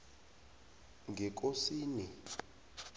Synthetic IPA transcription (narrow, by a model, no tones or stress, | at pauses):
ŋɡʱɛk̬osiːni